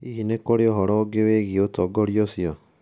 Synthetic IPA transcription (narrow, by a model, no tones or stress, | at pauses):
inekoɾeɔɦɔɾɔɡeweɣiotɔɡɔɾiosiɔ